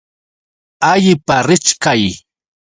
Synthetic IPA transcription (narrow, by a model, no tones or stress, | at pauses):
aʎɪpaɾɪt͡ʃkaj